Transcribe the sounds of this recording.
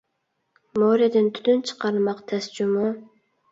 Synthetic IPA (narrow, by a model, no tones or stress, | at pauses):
moɾed̪ɪnt̪ʰy̥d̪ynt͡ʃʰə̥qɑɾmɑqt̪ʰɛsd͡ʒumu